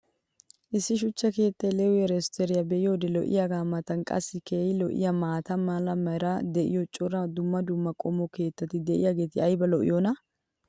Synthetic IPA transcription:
ʔɪsːɪʃ̬ʊt͡ʃːɐke̞ːt̪ːɐjlɛwʊjɛɾɛst̪ɛɾɪjɐbɛʔɪjoːd̪ɛlɔ̰ʔɪ̰jaɡaːmɐt̪ɐnkʼɐ̰sːɪkeːjɪlɔʔɪ̰jɐmaːt̪ɐmaːlɐmɐjɾɐd̪ɛʔɪ̰jɔt͡ʃʼɔɾɐd̪ʊmːɐd̪ʊmːɐkʼɔmːɔke̞ːt̪ːɐt̪ɪd̪ɛʔɪ̰jaɡe̞ːt̪ɪɐjbɐlɔʔɪ̰jonɐ

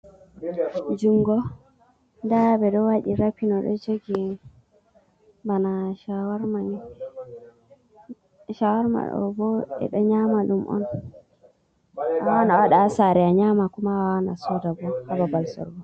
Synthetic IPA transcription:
d͡ʒuŋɡɔ | ndabɛdɔwaɗiɾapinɔɗɔ̰d͡ʒoɡi | banaʃawaɾmani | ʃawaɾma̰ɗɔ̰bɔɛ̰ɗɔɲamalumʔɔ̰n | awanaɔɗasaɾɛaɲamakumawawanasɔdabɔhababalsɔ̰ɾbɔ

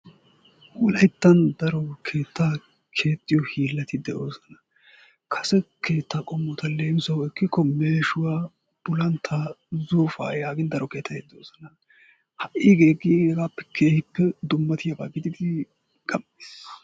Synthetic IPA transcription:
wɔlɐjt̪ːɐnd̪ɐɾɔkʰe̞ːt̪ʰːaː | kʰe̞ːt̪ʼːɪjɔhiːlːɐt̪ɪd̪ɛʔo̞ːsɐnɐ | kʰɐsɛkʰe̞ːt̪ːaːkʼɔmːɔt̪ɐleːmsɐwɛkːɪkːɔme̞ːʃʊwaː | b̥ʊlɐnt̪ʰːaːzuːfa̰ːjaːɡɪnd̪ɐɾɔke̞ːt̪ʰːɐt̪ɪd̪ɛoːsɐnɐ | hɐʔiːɡeːɡiɡɡaːpːɛ̥kʰe̞ːhɪpːɛd̪ʊmːɐt̪ɪjɐba̰ːɡɪd̪ɪd̪ɪ | kʼɐme̥ːs

